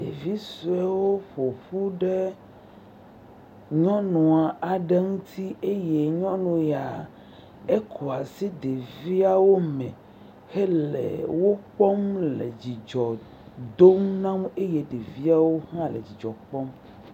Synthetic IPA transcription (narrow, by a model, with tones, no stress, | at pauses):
ḛ˨vi˦so˨ɛ˦wo˦ɸo˨ɸu˦ɖe˦ | ɲɔ̃˦nũ˨a˨a˨ɖe˦ŋũ˦t̪ʰi˦e˦je˨ɲɔ̃˦nũ˨ja˨ | e˦kʰo˨a˨si˦d̪e˨vi˦a˨wo˦mɛ̰̃˨ | he˦lḛ˨wo˦k͡pɔ˦mlḛ˨d͡ʑi˨d͡ʒɔ˨ | d̪o˦mnã˦me˦je˨ɖe˨vi˦a˦wo˦hã˦lḛ˨d͡ʑi˨d͡ʒɔ˨k͡pɔ˦m